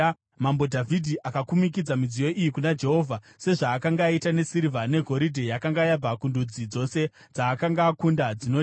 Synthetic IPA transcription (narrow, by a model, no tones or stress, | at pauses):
mambo̞dʱavʱidʱiʔakakumikid͡zamid͡zijo̞ʔijikunad͡ʒe̞ɦo̞vʱa | se̞ʐaːkaŋɡaːitane̞siɾivane̞ɡʱo̞ɾidʱejakaŋɡajab͡vakundud͡zid͡zo̞se̞ | d͡zaːkaŋɡaːkundad͡zino